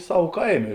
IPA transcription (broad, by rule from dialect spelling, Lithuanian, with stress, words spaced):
ˈsɐw ˈkɐɪˌmʲeː